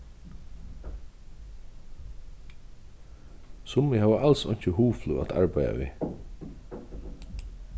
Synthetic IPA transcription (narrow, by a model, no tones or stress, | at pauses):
sʊmɪhaːʋəʔalsɔ̰ɲ̥t͡ʃəhuːflua̰t̪ʰa̰ɹpajða̰ʋḭː